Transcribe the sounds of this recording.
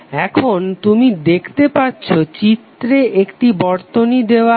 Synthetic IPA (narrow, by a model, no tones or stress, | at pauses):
ɛkʰont̪umid̪ekʰt̪epatːɕʰot͡ɕit̪ːɾeʔekʈibɔɾt̪onid̪eoa